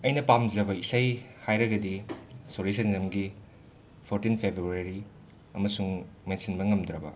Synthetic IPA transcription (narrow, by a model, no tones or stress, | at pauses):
ɐjnɐpamd͡ʒɐbɐisajhajɾɐɡɐdisoɾis̬ɐnzɐmɡi | pʰoɾtinpʰebɾuɾeɾi | ɐmɐsuŋmensinbɐŋɐmd̪ɾɐbɐ̰